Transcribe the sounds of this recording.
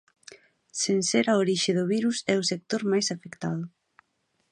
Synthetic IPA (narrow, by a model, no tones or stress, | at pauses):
senseɾaoɾiʃɪðʊβiɾusɛʊsek̚t̪oɾmajsafekt̪að̞ʊ